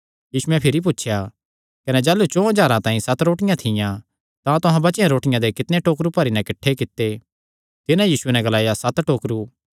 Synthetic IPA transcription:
jiːsʊɛpʰɪɾip̬ʊtːʃʰja | kɐned͡ʒaːlut͡ʃõːɐd͡ʒaːɾãt̪ãːĩsɐt̪ɾoːʈɪjãt̪ʰɪjã | t̪ãt̪ʊɦãbɐt͡ʃjãɾoːʈɪjãd̪ekɪt̪neʈoːkɾupɐɾinɛ̃kɐʈʰːekɪt̪ːe | t̪ɪnãjiːsʊenɛ̃ɡɐlaːjasɐt̪ʈoːkɾu

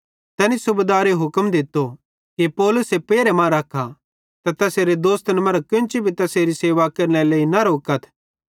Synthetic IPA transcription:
t̪ɛːnisʊbed̪aːɾeɦʊkəmd̪ɪt̪ːo | kipɔːlʊsepeːɾemãɾɐkʰːa | t̪at̪ɐseːɾed̪oːst̪ənmɐɾakɪ̃nt͡ʃibʱit̪ɐseːɾiseːʋakɐɾneleːinɐɾoːkət̪ʰ

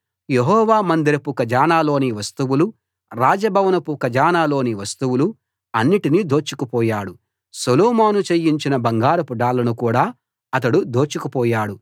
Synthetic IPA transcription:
jeɦɔːʋaːmɐnd̪iɾɐpukɐd͡ʒaːnaːlo̞ːniʋɐst̪uwulu | ɾaːd͡ʒɐbʱɐʋɐnɐpukɐd͡ʒaːnaːlo̞ːniʋɐst̪uwulu | ɐnːiʈinid̪ʱoːt͡ʃːukupɔːjaːɽu | solɔːmaːnut͡ʃejːiɲt͡ʃinɐbɐŋɡaːɾɐpuɖaːlɐnukuːɽaː | ɐt̪̬ɐɽud̪oːt͡ʃːukupɔːjaːɽu

